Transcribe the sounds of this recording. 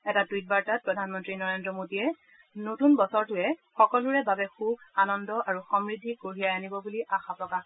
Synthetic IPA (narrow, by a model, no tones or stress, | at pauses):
ɛtadujt̚baɹtat̚pɹɔdʱanmɔntɹinɔɹendɹɔmotijɛ | notunbɔsɔɹtʊɛxɔkɔlʊɹɛbabɛxubʱanɔndɔʔaɹuxɔmɹidʱːikoɹijajanibɔbuliʔaxapɹɔka